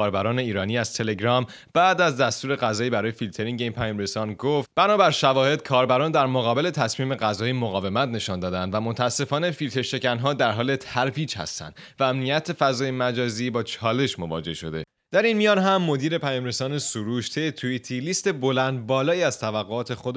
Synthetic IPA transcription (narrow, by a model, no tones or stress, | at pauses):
kʰɒːɾbæɾɒːne̞iːɾɒːniːæz̥t̪ʰe̞le̞ɡɾɒːm | b̥æːd̪æzd̪æst̪uːɾe̞ɣæzɒːjiːbæɾɒːje̞filt̪ʰe̞ɾiŋɟe̞inpʰæjɒːmɾe̞sɒːnɡoft̪b̥ænɒːbæɾʃævɒːhe̞d̪̥̚kʰɒːɾbæɾɒːnd̪æɾmoɣɒːbe̞le̞t̪ʰæsmiːme̞ɣæzɒːjimoɣɒːve̞mæt̪ne̞ʃɒnd̪ɒːd̪ænd̪væmont̪ʰæːsːe̞fɒːne̞filt̪ʰe̞ɾʃe̞cænɦɒːd̪æɾɦɒːle̞t̪ʰæɾviːd͡ʒhæ̰st̪æ̰nd̪ | vææmnijæt̪ʰe̞fæzɒːjemæd͡ʒɒːziːbɒːt͡ʃʰɒːle̞ʃmo̞vɒ̰ːd͡ʒe̞̰hʃo̞̰d̪e̞̰ | d̪̥æɾinmijɒːnɦæmːo̞d̪iːɾe̞pʰæjɒːmɾe̞sɒːne̞suɾuːʃt̪ʰe̞jet̪ʰuit̪ʰilist̪e̞bo̞lænd̪̚bɒːlɒːiːæz̥t̪ʰævæɣːoɒːt̪ʰe̞xo̞d̪